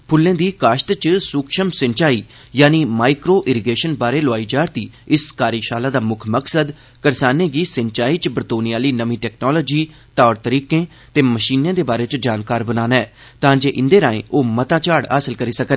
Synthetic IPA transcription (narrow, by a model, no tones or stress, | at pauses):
pʰʊlːẽːd̪iːkaːʃt̪t͡ʃsʊkʃəmsənt͡ʃaːiː | jaːniːmaːɪkɾoːʔɪɾɪɡeːʃənbaːɾeːlʊaːiːd͡ʒaːɾt̪iːɪskaːɾiːʃaːlaːd̪aːmʊkʰməksəd̪ | kəɾsaːnẽːɡiːsənt͡ʃaːiːt͡ʃbɾt̪oːnijaːliːnəʋĩːʈɛːknɔːlɔːd͡ʒiː | t̪aːɽt̪əɾiːkẽː | t̪eːməʃiːnjẽːd̪eːbaːɾeːt͡ʃd͡ʒaːnkaːɾbənaːnɛːt̪ãːd͡ʒeːʔɪnd̪eːɾãːḛ̃ːoːmət̪aːt͡ʃaːɽɦa̰ːsəlkəɾiːsəkən